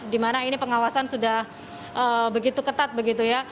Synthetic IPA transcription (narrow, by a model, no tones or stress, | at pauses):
dimanainipəŋawasansudah | ʔəbəɡit̪ukət̪at̪̚bəɡit̪uja